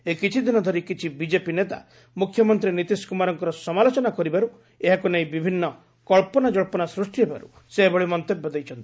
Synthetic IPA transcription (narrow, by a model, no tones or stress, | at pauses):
ekit͡ʃʰid̪ʱinɔd̪ʱɔɾikit͡ʃʰibid͡ʒepinet̪a̰ | mukʰːjɔmɔnt̪ɾinit̪iskumaɾɔŋkɔɾɔsɔmalot͡ʃɔnakɔɾibaɾu | eɦakunaĩbibʱinːɔ | kɔɭpɔnad͡ʒɔɭpɔnasɾusʈiɦeba̰ɾṵ | seɦebɔɭimɔnt̪ebjɔd̪ejt͡ʃʰɔnt̪ii̥